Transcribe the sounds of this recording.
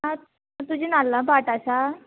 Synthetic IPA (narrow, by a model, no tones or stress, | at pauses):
ã | at̪ud͡ʑʱinalːabaʈaɕa